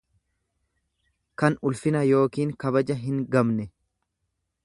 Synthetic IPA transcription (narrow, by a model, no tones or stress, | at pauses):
kɐnʊlfɪnɐjo̞ːkiːŋkɐbɐd͡ʒɐɦɪŋɡɐmnɛ